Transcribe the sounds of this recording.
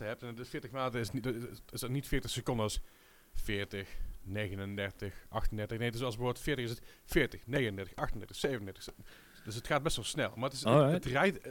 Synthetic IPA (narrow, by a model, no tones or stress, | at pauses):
əɦɛp̚tɛndəfɪːɹtəxmaːtəɪsɪsətnitfɪːɹtəxsəkɔndəɑs | fɪːɹtəxneːɣənəndɛɹtəxʔɑxtəndɛɹtəxnejətɪsɑlˠsbəɦoːtfɪːɹtəxɪsətfɪːɹtəxnejɣənəndɛɹtəxɑxtəndɛɹtəxsejvənəndɛɹtəxs | døsətxaːdbɛstʋɑlˠsnɛ̰lˠmaːɹətɪstrɛjt